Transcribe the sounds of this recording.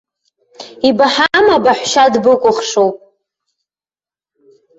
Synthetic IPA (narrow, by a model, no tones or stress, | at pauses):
ibaħamabaħʷʃadbɨkʷʼʊχʂowpʼ